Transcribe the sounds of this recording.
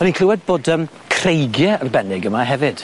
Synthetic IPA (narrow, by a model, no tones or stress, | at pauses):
ɔnikʰlˠɪwɛd̚boːdəːm | kʰr̥ejɡjɛərbɛnɪɡəmaɦɛvɪd̥